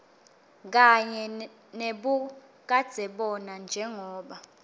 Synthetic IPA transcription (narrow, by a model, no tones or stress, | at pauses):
k̬aɲɛ | neɓu | k̬ad̥z̥ʱɛɓɔnand͡ʒʱɛŋɔːɓa